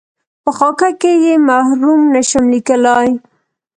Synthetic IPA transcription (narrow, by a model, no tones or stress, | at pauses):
pəxɑkakejemahɾumnaʃamlikəlɑj